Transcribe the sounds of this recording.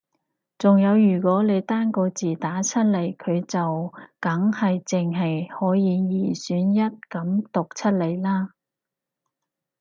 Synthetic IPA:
t͡sʊ˨ŋjɐ˨˧wjyː˨˩kʷɔː˨˥le˨˧jt̪aː˥nkɔː˧t͡siː˨˩t̪aː˨˥t͡sʰɐ˥t̚le˨˩jkʰɵ˨˧ɥt͡sɐ˨wkɐ˨˥ŋhɐ˨jt͡sɪ˨ŋɦɐ˨jhɔː˨˥jiː˨˧jiː˨˩syː˨˧˥njɐ˥t̚kɐ˨˥mt̪ʊ˨k̚t͡sʰɐ˥t̚le˨˧˩jlaː˥

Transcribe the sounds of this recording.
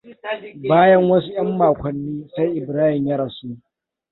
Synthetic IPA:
baː˦jɐ˦ŋwɐ˦su˦j̰ɐ˦mːaː˨kʷɐ˨nːiː˦sa˦jʔɪ˨bɾaː˦hɪ˨mja˦ɾa˨suː˦

